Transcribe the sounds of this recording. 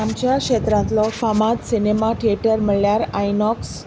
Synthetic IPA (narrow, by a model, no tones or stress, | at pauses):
amt͡ɕjakʂet̪ɾãt̪lɔfamat̪sinemaʈʰieʈəɾməɭljaɾajnɔks